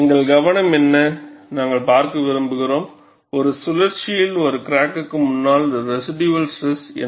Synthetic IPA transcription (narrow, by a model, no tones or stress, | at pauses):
ɪŋɡɐɭɡɐʋɐɳɐmɛnːɐnaːŋɡɐɭpaːɾkɯʋɪɾɯmbɯɣɪɾoːm | ɔɾɯsʊlɐɾt͡ʃɪjɪlɔɾɯkɪɾaːkːkːɯmʊnːaːld̪ɐɾɛsɪɖjʋɐlsʈɾɛsɛ̰n